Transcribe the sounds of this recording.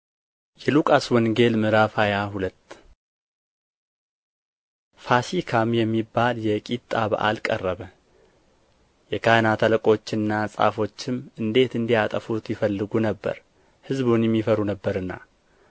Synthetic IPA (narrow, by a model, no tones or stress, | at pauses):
jɛlukʼaswɔŋɡe̞lmɨɾafajaɦulət̪ː | fasikʰamjɛmːibːaljɛkʼit̪ʼːaβa̰ʔa̰lkʼərːəβə | jɛkʰanat̪ʰaləkʼo̞t͡ʃːɪnːasʼa̰fo̞t͡ʃːɪmɨnd̪e̞t̪ɨnd̪iat̪ʼəfut̪jɪfəlːɨɡunəbːə̰ɾ | hɨzβunjɛmːifəɾunəbːəɾɨnːa̰